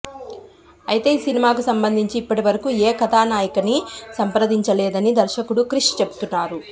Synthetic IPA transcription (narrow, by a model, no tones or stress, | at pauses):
ɐjit̪e̞ːiːsinimaːkusɐmbɐnd̪ʱiɲt͡ʃiːpːɐʈiʋɐɾɐkuːeːkɐt̪ʰaːnaːjɐkɐnisɐmpɾɐd̪iɲt͡ʃɐlɛːd̪ɐnid̪ɐɾʃɐkuɽukɾiʂt͡ʃebu̥t̪unːaːɾu